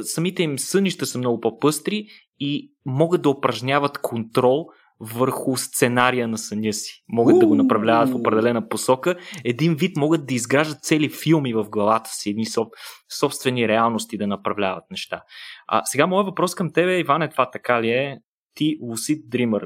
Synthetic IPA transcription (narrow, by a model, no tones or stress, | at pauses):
sɐmit̪ɛimsɤnʲiʃt̪əsəmnɔɡʊpopɤst̪ɾi | i | mɔɡət̪̚d̪ɐopɾɐʒnʲavət̪kʰont̪ɾɔlˠ | vəɾxʊst̪sɛnaɾijənɐsənʲɤsi̥mɔɡət̪d̪ɐɡonɐpɾɐvlʲavət̪fopɾɛd̪ɛlɛnəposɔkəɛd̪invit̪mɔɡət̪̚d̪ɐizɡɾaʒd̪ət̪̚t̪sɛlifilˠmivəvɡlˠɐvat̪ə̥siɛd̪nisɔsɔpst̪vɛniɾɛalˠnost̪id̪ɐnɐpɾɐvlʲavət̪̚nɛʃt̪a̰ɐ̰sɛɡamɔjəvɐpɾɔskəmt̪ɛbɛivanɛt̪vat̪ɐkaliɛ | t̪ilˠusit̪̚d̪ɾiməɾ